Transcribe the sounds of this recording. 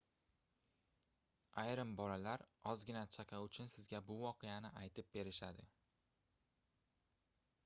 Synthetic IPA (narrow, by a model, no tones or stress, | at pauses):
ajɾɪmbɒlalaɾɒzɡʲɪnat͡ʃʰakʰʲaʊt͡ʃʰʊnsɪzɡʲabʊvɒqʰɨjanɪajt̪ʰɪp̚be̞ɾɪʃad̪ɪ